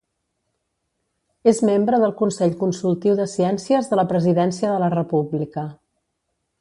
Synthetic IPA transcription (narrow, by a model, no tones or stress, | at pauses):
ezmembɾəðəlˠkunsɛʎkunsulˠt̪iwðəsiɛnsiəzðələpɾəziðɛnsiəðələrəpublikə